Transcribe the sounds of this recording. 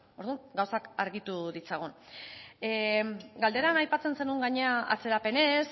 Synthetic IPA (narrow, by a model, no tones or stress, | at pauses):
o̞ɾðuŋɡawsakaɾɣit̪uðit͡saɣ̞un | ɡald̪e̞ɾanajpat͡se̞nse̞nuŋɡaɲe̞aa̰t͡se̞ɾape̞ne̞s